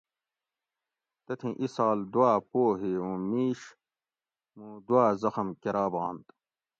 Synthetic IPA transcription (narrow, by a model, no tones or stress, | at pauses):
t̪ɐt̪ʰĩʔisaːld̪uaːpoːɦeːũːmiːɕ | mũːd̪waːzɐxɐmkeɾaːbɣaːnt̪